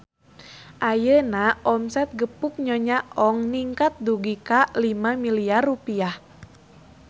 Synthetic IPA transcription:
ʔajənaʔɔmsɛt̪̚ɡəpuk̚ɲɔɲaʔɔŋniŋkat̪̚duɡikalimamiliarːupiah

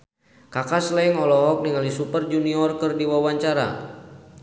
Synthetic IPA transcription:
kakaslɛiŋɔlɔɦɔk̚niŋalisupərd͡ʒuniɔrkɨrdiwawaɲt͡ʃaɾa̰

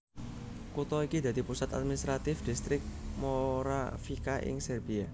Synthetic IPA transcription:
kut̪ɔikid̪a̤d̪̥i̤pusat̪a̰t̪̚minist̪ɾat̪ɪfd̪̥ist̪ɾɪk̚moɾafikaʔɪ̰ŋsərbia

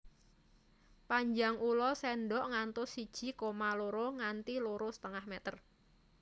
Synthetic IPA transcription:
paɲd͡ʒaŋulɔsɛnɖɔʔŋant̪ʊsid̥ʒ̥i̤komaloɾoŋant̪iloɾosə̥t̪əŋahmɛt̪ər

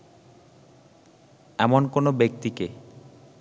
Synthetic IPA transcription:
ɛmonkonobek̚t̪ike

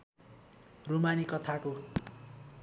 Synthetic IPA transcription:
rumanikʌt̪ʰako

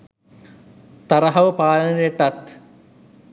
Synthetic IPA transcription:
t̪ɐɾɐɦɐʋəpaːlɐnɐjeʈɐt̪

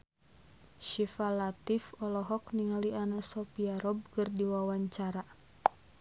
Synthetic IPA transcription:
ʃifalat̪ifɔlɔɦɔk̚niŋaliʔanasɔpiaɾɔb̚kərdiwawaɲt͡ʃaɾa

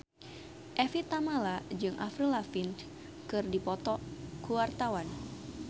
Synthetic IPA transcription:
ʔɛfit̪amalad͡ʒɨŋʔa̰fɾilafin | kɨrdipɔt̪ɔkuwart̪awan

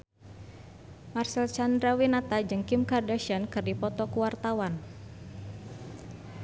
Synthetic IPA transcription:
marsɛlt͡ʃand̪ɾawinat̪ad͡ʒɨŋkɪmkardaʃiankɨrdipɔt̪ɔkuwart̪awan

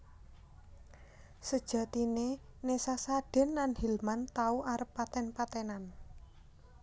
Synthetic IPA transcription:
səd̥ʒ̥a̤t̪ine | nesasaɖ̥ɛ̤nlanhilmant̪auʔaɾəpːat̪ɛnpat̪ɛnan

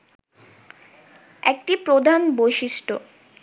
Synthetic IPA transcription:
ekʈipɾod̪ʱanbojʃiʃʈo

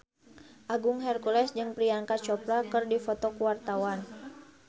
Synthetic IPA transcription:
ʔaɡuŋɦɛrkulɛsd͡ʒɨŋpɾiaŋkat͡ʃɔplakɨrdifɔt̪ɔkuwart̪awan

